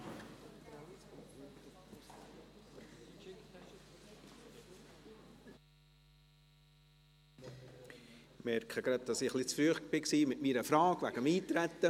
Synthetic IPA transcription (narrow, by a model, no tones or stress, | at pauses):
mɛɾkʰəɡ̥ɾɑd̪̚d̥ɑsɪχlɪt͡sfɾyəχb̥ɪksiːmɪtmiːɾəfɾɑːkvæɡ̥əmiːt̪ɾæt̪ːə